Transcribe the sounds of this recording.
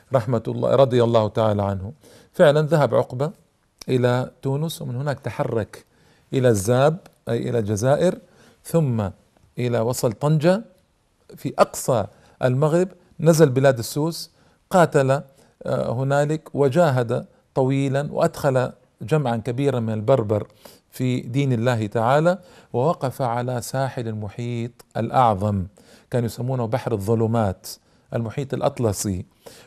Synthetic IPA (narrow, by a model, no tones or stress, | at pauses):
ɾˤɑħmat̪ːɾˤɑd̪ˤɨjalˤːɑːht̪aʕaːlaʕanhʊ | fɪʕlanðaɦabʕʊ̰qba | ʔɪlat̪uːnʊswmɪnhɪnaːkt̪aħɑrˤːɑk | ʔɪlazːaːbʔajʔɪ̰lald͡ʒazaːʔɪɾ | θʊmːa | ʔɪlawɑsˤɑlt̪ɑnd͡ʒa | fiʔɑqsˤɑ | ʔa̰lmaɣɾɪb | nazalbɪlaːd̪asːuːs | qɑːt̪ala | hʊnaːlɪkwɪd͡ʒaːɦad̪a | t̪ˤɑwiːlanwɪ̰ʔad̪xala | d͡ʒamʕankabiːɾanmɪnalbɑɾˤbɑɾˤ | fid̪iːnɪlːaːht̪aʕaːlawɪwɑqɑfaʕalasaːħɪlalmʊħiːt̪ˤʔa̰lʔɑʕðˤɑm | kaːnjʊsamːuːnahbaħɾɑðˤːʊluːmaːt̪ | ʔalmʊħiːt̪ˤɑlʔɑ̰t̪ˤlɑsˤḭ